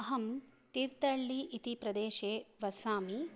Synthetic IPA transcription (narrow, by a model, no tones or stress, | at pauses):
ɐɦɐmt̪iɾt̪ɐɭːiʔit̪ipɾɐd̪eːʃeːʋɐsaːmi